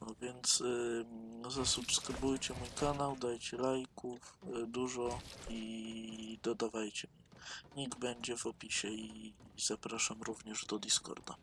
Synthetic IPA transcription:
ɔvʲjɛnt̪s | zasupskɾɘbujt͡ɕɛmujkanawd̪ajt͡ɕɛlajkufd̪uʐɔi | d̪ɔd̪avajt͡ɕɛmɲɛɲiɡbɛɲd͡ʑɛvɔpʲiɕɛiz̥apɾaʂamɾuvɲɛʐd̪ɔd̪ʲiskɔ̰ɾd̪a̰

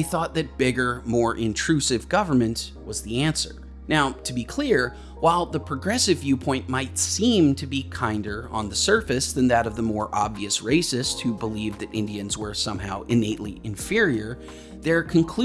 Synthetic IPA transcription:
ɪθɔt̪̚ðɨt̚b̥ɪɡə˞mɔɹʔɪ̃ntʰɹ̥ʉsɨvɡʌvə˞mɨ̃nʔwʌzðiæ̃nsə̰˞ | naʊtʰɨbikʰl̥ɪɹ | waɪlˠðəpʰɹ̥ɨɡɹɛsɨvjʉpʰɔ̃ɪ̃nmaɪtsĩmtʰɨbikʰãɪ̃ndə˞ə̰̃nðɨsɜ˞fɨsðɨ̃nðɨɾʌvðəmɔɹʔɑbviɨsɹeɪsɪsthubəlivðɨɾʔɪ̰̃ndiɨ̃nzwə˞sʌ̃maʊʔɨ̃neɪʔlḭɨ̃ɱfɪɹiə˞ | ðə˞kʰɨ̃nkʰl̥

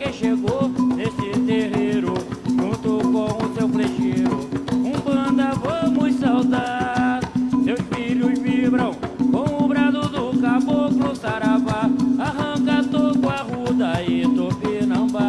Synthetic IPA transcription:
kẽʃeɡonesɪt̪eɦeɾʊʒõt̪okõʊsewpleʒeɾʊũbɐ̃d̪ɐvɐ̃mʊssawd̪a | mewʃmiʎʊzmibɾɐ̃w̃kõw̃ʊbɾazʊd̪ʊkaboklʊsaɾavaaɦɐ̃kat̪okuaɦud̪ɐɪt̪openɐ̃w̃ba

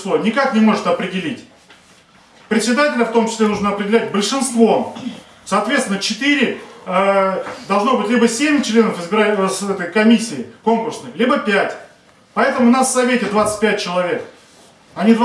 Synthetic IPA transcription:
lˠonʲɪkaknʲɪmo̞ʐɨt̪ɐpɾʲɪdʲɪlʲitʲ | pɾʲɪt̪ʲsʲɪd̪atʲɪlʲəft̪o̞mt͡ɕɪ̥sʲlʲenuʐnəɐpɾʲɪdʲɪlʲæt̚ʲbəlʲʂɨnst̪vo̞ | sɐːt̪vʲet̪sʲɪnːət͡ɕɪt̪ɨɾʲɪəd̪ɐlˠʐno̞bɨtʲlʲibəsʲemʲt͡ɕlʲe̞nəfɨzbʲɪɾasɛt̪əjkɐmʲisʲːɪːko̞mklʲɪrsnəjlʲibəpʲætʲ | pɐɛt̪əmʊnassɐvʲetʲɪd̪vat̪sɨ̥t̚ʲpʲæt̚ʲt͡ɕɪlˠɐvʲe̞k | ɐnʲid̪

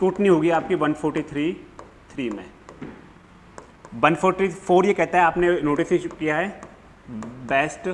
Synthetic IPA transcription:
kuːʈnĩɦoːɡiaːp̚kiʋɐ̃nfʰoːɾʈit̪ʰɾi | t̪ʰɾiːmẽː | ʋɐ̃nfʰoːɾt̪ʰɾifʰoːɾjekɛɦt̪aɦɛaːpnenoːʈɪsikijaɦɛː | bɛːsʈ

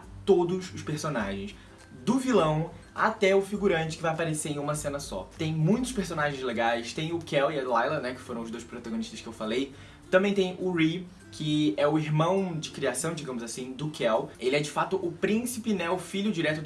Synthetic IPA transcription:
t̪od̪ʊzʊʃpeɾsonaʒẽj̃s | d̪ʊvilɐ̃w̃a̰t̪ɛʊfiɡuɾɐ̃nt͡ʃɪ̥kɪvajapaɾeseɾẽj̃ũmɐsẽnɐsɔ̰t̪ẽj̃mũj̃t̪ʊʃpeɾsõnaʒẽj̃zleɡajst̪ẽj̃ʊkɛwɪɐlajlɐnɛkɪ̥foɾɐ̃w̃ʊzd̪ojʃpɾot̪aɡõniʃt̪ɐʃkɪewfalej | t̪ɐ̃mbẽj̃t̪ẽj̃ʊɾi | kʰɪɛʊiɦmɐ̃w̃d͡ʒɪkɾiasɐ̃w̃d͡ʒiɡɐ̃mʊzasĩd̪ʊkʰɛwelɪɛd͡ʒɪfat̪ʊʔʊpɾĩsipɪnɛ̃ʊfiʎʊd͡ʒiɾɛt̪ʊ

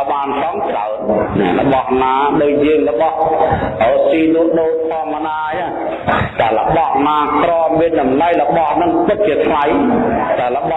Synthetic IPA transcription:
ɓaːnsɑŋt͡ɕra̰ənnɛ̰lə̰̆ɓɑhnaːɗoːc̚jəːŋləɓɑhrɔːsiːluəʔɗoːt̪ʰɑːmːɔnaːja | t̪aɛlə̰̆ɓɑhnaːkrɔːmmiənɗɑmlajlə̆ɓɑhnɨŋp̪ɨk̪̚t͡ɕiət̪ʰlajt̪aələɓɑ

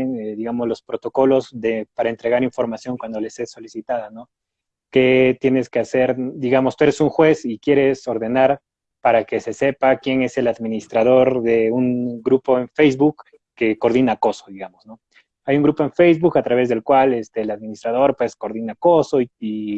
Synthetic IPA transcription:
neðiɣamozlo̞spɾo̞t̪o̞ko̞lo̞zðe̞paɾaent̪ɾe̞ɣaɾiɱfo̞ɾmasjo̞ŋkwand̪ole̞se̞sːo̞lisit̪aðano̞ | ke̞t̪je̞ne̞ske̞ase̞ɾd̪iɣamost̪ue̞ɾesuŋxwe̞sikje̞ɾe̞so̞ɾðe̞naɾ | paɾake̞se̞se̞pakje̞ŋe̞se̞laðmĩnist̪ɾað̞o̞ɾðe̞uŋɡɾupo̞eɱfejzβukː | e̞ko̞ɾðinako̞so̞ðiɣamozno̞ | ajuŋɡɾupoe̞nfejzβukat̪ɾaβe̞zðe̞lkwalest̪elaðmĩnist̪ɾaðo̞ɾpwe̞sko̞ɾðinako̞so̞ii

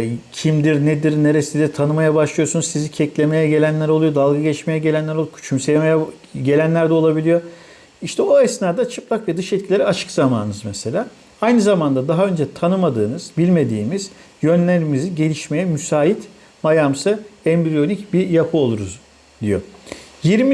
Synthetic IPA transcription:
cʰimd̪iɾnɛd̪iɾne̞ɾesid̪ɛɾt̪ʰanɯmajabaʃlˠɯjo̞sunuzsizicʰɛclʲe̞me̞jɛɟe̞lʲænlʲæɾolˠujo̞d̪alˠɡaɟɛit͡ʃme̞jɛɟe̞lʲænʲæɾolˠukʰt͡ʃʰymsejemejɛ | ɟe̞lʲænlʲæɾd̪ɛo̞lˠabilʲijo̞ | iʃt̪ʰɛoɛsnaːd̪at͡ʃʰɯplˠakvɛd̪ɯʃɛt̪cʰilʲeɾɛat͡ʃʰɯ̥kzamaːnnɯzmɛse̞lʲaː | ajnɯzamand̪ad̪aɦaønd͡ʒɛt̪ʰanɯmad̪ɯːnɯz̥bilʲme̞d̪ḭːmiz̥ | jønlʲeɾimiziɟe̞lʲiʃme̞jɛmysaːit̪ | majamsɯɛmbɾijo̞nʲicbijapʰɯo̞lˠuɾuz | d̪ijo̰jiɾmi

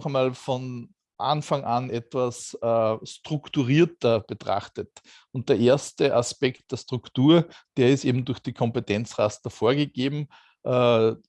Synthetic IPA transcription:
χəmaːlfɔn | ʔanfaŋʔanɛtv̥asɛːstʁ̥ʊktuʁiːɐtɐb̥ətʁ̥a̰χtət | ʊnt̚d̥eːɐʔeːɐstəʔaspɛkt̚d̥eːɐstʁ̥ʊktuːɐd̥eːɐɪstʔeːbm̩dʊɐxd̥iːkʰɔmpetʰɛnt͡sʁastəfoːɐɡəɡ̥eːbm̩ | ʔɛ

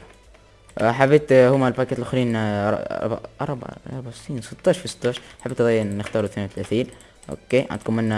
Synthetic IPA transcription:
ħabːeːt̪hʊmːalpakeːt̪lʔaxɾiːnɑˤɑ̰ɾˤba̰ʔɑ̰ɾˤb̰ɑ̰ɾˤbaʕsiːnsˤɨt̪ˤːɑːʃfisɨ̥t̪ːɑːʃħabeːt̪ʔɑd̪ɑːjːnɪxt̪ɑːɾuθneːnwθlæːθiːl | ʔo̰kːeːʕa̰d̪̚kʊmːɪnːa

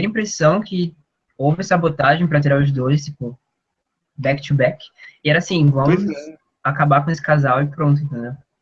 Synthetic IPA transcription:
ẽɐĩpɾesɐ̃w̃kʰɪ | owvɪɛsabot̪aʒẽj̃pɾɐt̪iɾaɾʊzd̪ozɪst̪ipʊ | bɛkt͡ʃ̪ubɛkɪ̥ɪɛɾɐasĩvɐ̃mʊz | akabakõesɪ̥kazawɪpɾõnt̪ʊẽt̪ẽnd̪ew

